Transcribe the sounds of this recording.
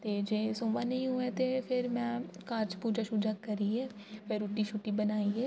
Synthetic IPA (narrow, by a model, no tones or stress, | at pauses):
t̪eːd͡ʒeːsõːʋaːnẽĩːɦʊɛ̃ːt̪eːpʰɪɾmɛ̃ːkaːɾt͡ʃpuːd͡ʒaːʃuːd͡ʒaːkəɾiːɛː | peːɾuːʈiːʃuːʈiːbənaːiːɛː